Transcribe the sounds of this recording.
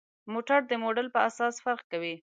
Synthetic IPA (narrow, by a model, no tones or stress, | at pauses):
moʈaɾd̪əmoɖəlpəasɑsfaɾqkawi